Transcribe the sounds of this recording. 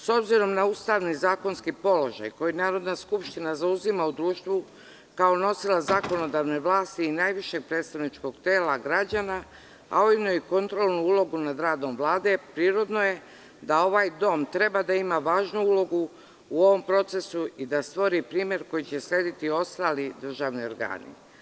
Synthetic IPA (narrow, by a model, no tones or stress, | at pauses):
so̞bziɾo̞mnauːst̪aʋnizaːko̞nskipo̞lo̞̰ʒa̰jko̞jinaːɾo̞d̪naskupʃt̪inazauzimaud̪ɾuːʃt̪ʋu | kao̞no̞silˠazako̞no̞d̪aʋne̞ʋlˠaːst̪iːnaːjʋiʃe̞ɡ̚pɾe̞ːt̪st̪aʋnit͡ʃko̞ɡt̪eːlaɡɾad͡ʑana | a̰oinoiko̞nt̪ɾolˠnuulˠo̞ɡunad̪ɾaːd̪o̞mʋlˠaːd̪e̞pɾiːɾod̪no̞je̞ | d̪ao̞ʋajd̪o̞mt̪ɾe̞bad̪aimaʋaːʒnuulo̞ɡu | uo̞ʋo̞mpɾo̞t̪se̞suid̪ast̪ʋo̞ɾipɾiːmje̞ɾko̞jit͡ɕe̞slʎʲe̞ːd̪it̪io̞st̪alid̪r̩ʒaʋnio̞̰ɾɡa̰ːnḭ